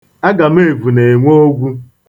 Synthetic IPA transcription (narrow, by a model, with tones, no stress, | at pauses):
a˦ɡa˨m̩˦e˦˨vu˨ne˨ŋʷo˦ɡʷu˦